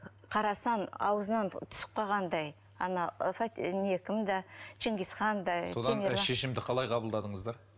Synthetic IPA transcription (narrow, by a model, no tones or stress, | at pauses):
qʰɑɾɑsɑnɑ̰wəzənɑnt̪ʰʊ̥sə̥q̚qɑʁɑnd̪ɑj | ɑnɑfat̪nekʲɪmd̪ɑʃɪŋɡʲisχɑnd̪ɑsod̪nmeʃeʃɪmd̪ɪqʰɑlˠɑjqʰɑbəlˠd̪ɑd̪əɴəzd̪ɑɾ